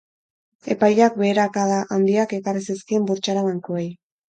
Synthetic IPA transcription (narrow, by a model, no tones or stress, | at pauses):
e̞pajʎak̚be̞ːɾakaðaʔand̪iake̞kariseskiembuɾt͡ʃaɾaβaŋkoej